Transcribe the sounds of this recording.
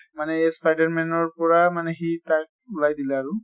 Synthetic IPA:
manɛespajdaɹmɛnɔɹpɔɹamanɛɦitak̚ulajd̪ilɛaɹu

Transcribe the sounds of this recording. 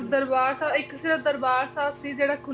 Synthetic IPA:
d̪ɐɾbaːɾsãːɪksiɾəd̪əɾbaːɾsaːsid͡ʒeːɽakʰʊ

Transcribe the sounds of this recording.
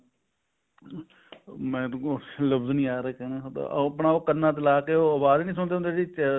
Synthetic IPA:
mɛ̃ːt̪ːoləbznĩːaːɾeːkɛːneːt̪ːpɳaːoːkənaːt̪̬elaːkeːoːəbaːd̪nĩːs̬ʊɳ̃d̪eːõnd̪eːɽi

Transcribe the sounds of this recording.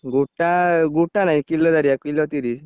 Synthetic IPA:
ɡuʈaɡuʈanajkilːɔd̪aɾjakilɔt̪iɾi

